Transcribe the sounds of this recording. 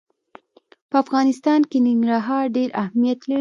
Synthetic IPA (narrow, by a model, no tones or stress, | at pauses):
pəafɣɑnɪst̪ɑnkenɪŋɡɾaɦɑɾɖeɾʔahmijat̪laɽi